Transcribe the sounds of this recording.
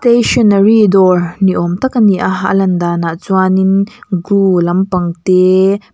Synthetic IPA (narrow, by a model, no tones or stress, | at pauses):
st̪eʃɔnəridɔrniʔɔmt̪ɐkaniʔaɦaʔlɐnd̪anaʔt͡suaninɡulɐmpɐŋt̪ɛ